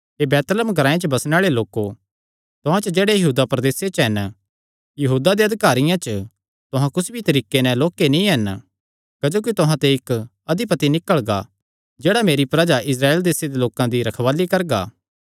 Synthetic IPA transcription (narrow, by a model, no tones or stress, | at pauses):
ebɛːt̪ələmɡʱɐɾaːẽt͡ʃəbɐsneaːɭeloːko | t̪ʊɦãt͡ʃəd͡ʒeːɽejɐɦuːd̪apɾɐd̪eːset͡ʃɦɛn | jɐɦuːd̪ad̪eɐd̪ʱɪkaːɾɪjãt͡ʃə | t̪ʊɦãkʊsbʱit̪ɐɾiːkenɛ̃loːkːenĩɦɛn | kɐd͡ʒoːkit̪ʊɦãt̪eɪk | ɐd̪ipɐt̪inɪkəɭɡa̰ | d͡ʒeːɽameːɾipɾad͡ʒaʔɪs̬ɾaːeːld̪eːsed̪eloːkãd̪iɾɐkʰʋaːlikɐɾɡa̰ː